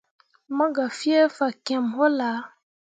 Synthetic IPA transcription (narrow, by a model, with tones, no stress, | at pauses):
mã˦ɡa˨fi˦ɛ˦fa˨kɛ̃˨mɦɔ˦la˨˦